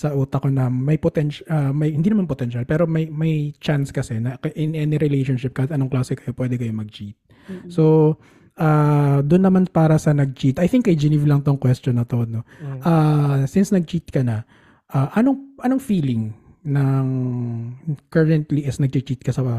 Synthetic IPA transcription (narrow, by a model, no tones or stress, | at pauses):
sɐʔuːt̪ɐkonɐmɐjpot̪ɛnʃamɐjhɪnd̪inɐmanpot̪ɛnʃalpɛːɾo̞mɐjmɐjt͡ʃanskɐsɛnɐkɐʔɪnʔɛːnɪɾɪlejʃonʃɪp̚kahɪt̪ʔɐnoŋklaːsɛkɐjo̞pwɛːd̪ɛkɐjo̞mɐɡ̚t͡ʃit̪̚ | so̞ | ʔaːd̪ʊnːɐmanpaːɾɐsɐnɐɡ̚t͡ʃit̪ʔɐjθɪŋkːɐjd͡ʒɛnɪvlɐŋt̪oŋkwɛst̪onːɐt̪ood̪noʔasɪnsnɐɡ̚t͡ʃit̪̚kɐnɐ | ʔaːʔɐno̞ŋʔɐno̞ŋfiːlɪŋ | nɐŋ | kɐɹɛnt̪liʔɪsnɐɡ̚t͡ʃit͡ʃit̪̚kɐsɐ